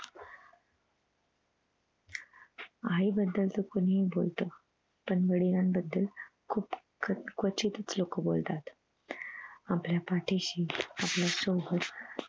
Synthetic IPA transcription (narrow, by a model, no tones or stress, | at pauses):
aibəd̪ːəlt̪əkoniibolt̪o | pəɳʋəɽiɾambəd̪ːəlkʰuːp | kʋət͡ɕit̪ət͡slokəbo̰lt̪at̪ | apljapaʈʰeɕiːaplasoɡət̪